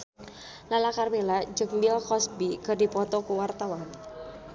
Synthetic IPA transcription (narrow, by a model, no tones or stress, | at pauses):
lalakarbelad͡ʒək̚mbilkɔsbikərdipɔt̪ɔkuwart̪awan